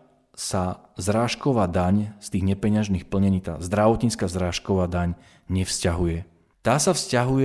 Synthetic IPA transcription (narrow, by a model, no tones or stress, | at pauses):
sazɾaːʃkɔʋaːd̪aɲst̪iːɣɲɛpɛɲaʒniːxpl̩ɲɛɲiːt̪a̰ːzd̪ɾaʋɔt̪ɲiːt͡skaːzɾaːʃkɔʋaːd̪aɲ | ɲɛfscaɦujɛ | t̪aːsafscaɦujɛ